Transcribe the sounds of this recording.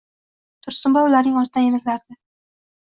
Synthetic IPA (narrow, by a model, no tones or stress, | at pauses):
t̪ʰʊɾst̪ʊmbaʊlaɾnɪŋɒɾt̪ʰɪnajemɪklaɾd̪ɪ